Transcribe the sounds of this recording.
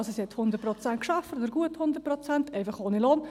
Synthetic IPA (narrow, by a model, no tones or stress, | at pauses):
sosiɛt̪hʊndətpɾɔt͡sæntkʃafətod̪əɾɡuəthʊnd̪əɾpɾɔt͡sænt̪ɛɪfɑχoːniloːn